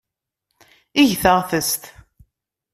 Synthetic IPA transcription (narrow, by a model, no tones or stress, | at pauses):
iʝθəʁθəst̪